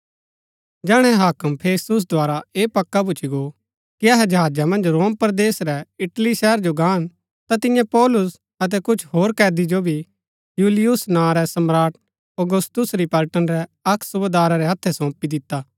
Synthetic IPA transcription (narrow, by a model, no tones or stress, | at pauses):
d͡ʒɛːɽ̃ɛ̃ɦaːkəmpʰeːst̪ʊs̬d̪ʱʊaːɾaeːpɐkːabʊt͡ʃʰiɡo | kiɐɦɛd͡ʒɐɦaːd͡ʒamɐ̃nd͡ʒɾoːmpɾd̪eːsɾɛɪʈliʃɛɦəɾd͡ʒoɡãːən | t̪at̪ɪ̃jãpɔːlʊs | ɐt̪̬ɛkʊt͡ʃʰɦoːɾkɛːd̪id͡ʒobʱi | juːlɪjʊsnãːɾɛsɐmɾaːʈ̚ | oɡʊst̪ʊsɾipɐlʈənɾɛɐkʰsʊbed̪aːɾaɾɛɦɐt̪ʰːɛsɔ̃ːpid̪ɪt̪ːaː